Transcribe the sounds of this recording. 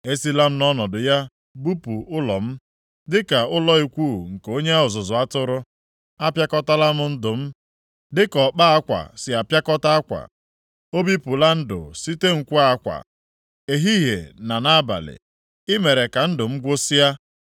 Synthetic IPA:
e˦si˦la˦m̩˦nɔ˦nɔ˨dʊ˨ja˦ | bu˦pu˨ʊ˦lɔ̰˨m̩˦ | dɪ˦ka˨ʊ˦lɔ˦i˨kʷu˦˨ŋ̩˨ke˨o˦ɲe˦a˦ʊ˨zʊ˨zʊ˨a˦tʊ˦ɾʊ˦ | a˦pja˦kɔ˦ta˦la˦mʊ˨n̩˦dʊ˨m̩˦ | dɪ˦kɔ˨k͡pa˦a˦kʷa̰˨sɪ˨a˨pja˦kɔ˦ta˦a˦kʷa̰˨ | o˦bi˦pʊ˨la˦n̩˦dʊ̰˨si˦te˦ŋ̩˨kʷu˦a˦kʷa̰˨ | e˨ɦi˦ɦḛ˨na˨na˦ba̰˨lɪ̰˨ | ɪ˦me˨ɾe˨ka˨n̩˦dʊ˨m̩˦ɡʷo˦si˦ja˦

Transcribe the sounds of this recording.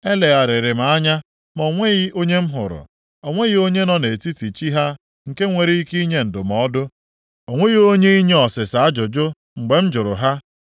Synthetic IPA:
e˦le˨ɣa˨ɾɪ˨ɾɪ˨ma˨a˦ɲa˦ | mɔ˨ŋʷe˦ɣi˦o˦ɲe˦m̩˦ɦʊ̰˨ɾʊ̰˨ | o˨ŋʷe˦ɣi˦o˦ɲe˦nɔ˦ne˨ti˦ti˨t͡ʃi˦ɦa˦ | ŋ̩˨ke˦ŋʷe˨ɾi˦i˦ki˦i˦ɲe˦n̩˨dʊ˨mɔ˨˦dʊ˦ | o˨ŋʷe˦ɣi˦o˦ɲe˦i˦ɲe˦ɔ˨sɪ˨sa˨a˦d͡ʒʊ˨d͡ʒʊ˦ | ŋ͡m̩˨ɡ͡be˨m̩˦d͡ʒʊ˨ɾʊ̰˨ɦa˦

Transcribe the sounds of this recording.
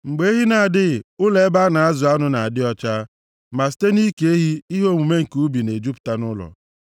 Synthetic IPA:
ŋ͡m̩˨ɡ͡be˦ɦi˦na˨a˨dɪ˦˨ʊ˦le˦ba˦na˨a˦zʊ˨a˦nʊ˦na˨a˨dɪ˦ɔ˦t͡ʃa˦ | ma˨si̥˨˦te˦ni˦ke˨˦ɦi˦i˦ɦo˦ŋu˨me˦ŋ̩˨ku˨˦bi˨ne˨d͡ʒu˦pta˦nʊ˦lɔ̰˨

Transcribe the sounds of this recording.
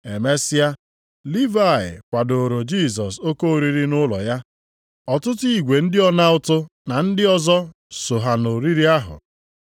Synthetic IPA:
e˨me˦sɪ˦a˦ | li˦va˦˨ɪ̰˨kʷa˨do˨ɾo˨d͡ʒi˦˨s̬ɔ˨so˦ko˦o˨ɾi˦ɾi˦nʊ˦lɔ̰˨ja˦ | ɔ˨tʊ˦ti˨ɡʷe˨n̩˦dɪ˦ɔ˦na˦ʊ˦tʊ˦ | na˨n̩˦dɪ˦ɔ˦zɔ˦ | so˨ɦa˨no˨ɾi˦ɾi˦a˦ɦʊ̰˨

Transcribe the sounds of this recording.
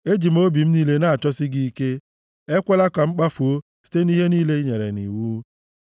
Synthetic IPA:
e˦d͡ʒi˨m̩˦o˦bi˨m̩˦niː˦le˦na˦a˨t͡ʃɔ˦sɪ˦ɡi˦i˦ke˦ | e˦kʷa˦la˦ka˨ŋ͡m̩˦k͡pa˦fu˨o˦ | si̥˦te˦ni˦ɦe˦niː˦le˦ɲe˨ɾḛ˨nḭ˨wu˦

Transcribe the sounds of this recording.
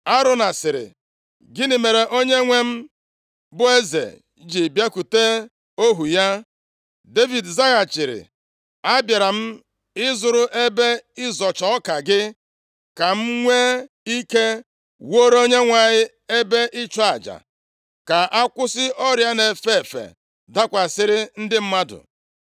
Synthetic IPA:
a˦ɾʊ˨na˨sɪ˨ɾɪ̰˨ | ɡɪ˦nɪ˨me˨ɾe˨ʔo˦ɲe˦ŋʷe˦m̩˦ | bʊ˦e˦zḛ˨ | d͡ʒi˨bja˦ku˨te˦ | o˦ɦu˨ja˦ | de˦vi˨dza˦ɣa˨t͡ʃɪ˨ɾɪ̰˨ | a˦bja˨ɾa˨m̩˦ | ɪ˦zʊ˨ɾʊ˦ʔe˦be˦ɪ˦zɔ˨t͡ʃɔ˦ɔ˦ka˨ɡɪ˦ | ka˨m̩˦ŋʷe˦ | i˦ke˦ | wo˦ɾo˦ɲe˦ŋʷa˨ɲɪ˦ | e˦be˦ʔɪ˦t͡ʃɔ˦a˨d͡ʒa̰˨ | ka˨ʔa˦kʷʊ˦sɪ˦ʔɔ˦ɾja˦ne˨fe˦e˨fḛ˨ | da˦kʷa˨sɪ˦ɾɪ˦n̩˦dɪ˦m̩˦ma˦dʊ̰˨

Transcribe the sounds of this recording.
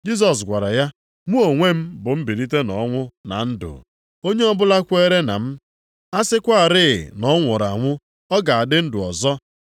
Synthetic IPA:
d͡ʒi˦s̬ɔ˨s̬ɡʷa˨ɾa˨ja˦ | ŋʷu˦o˨ŋʷe˦m̩˦bʊ˨m̩˦bi˨ɾi˦t̬e˦nɔ˨˦ŋʷʊ˦na̰˨n̩˦dʊ̰˨ | o˦ɲe˦ɔ˦bʊ˦la˦kʷe˦ɾe˦na̰˨m̩˦ | a˦sɪ˦kʷa˦a˨ɾɪ̰˦˨nɔ˨˦ŋʷɔ˨ɾa˨ŋʷʊ˦ | ɔ˦ɡa˨a˨dɪ˦n̩˦dʊ˨ɔ˨zɔ˦

